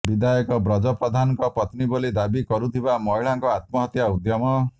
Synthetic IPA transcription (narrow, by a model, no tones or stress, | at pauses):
bid̪ʱajɔkɔbɾɔd͡ʒɔpɾɔd̪ʱanɔŋkɔpɔt̪nibolid̪abikɔɾut̪ʰibamɔɦiɭaŋkɔat̪mɔɦɔt̪jaud̪jɔmɔ